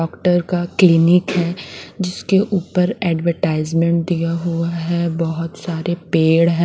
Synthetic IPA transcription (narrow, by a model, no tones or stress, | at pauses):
ɔːkʈəɾkaklɪnɪkɦɛːd͡ʒɪskeʔuːpəɾɛːɖʋəɾʈaːɪzmẽɳʈ̚d̪ijaɦuaɦɛbɔɦʊt̪saːɾepeːɽɦɛ̃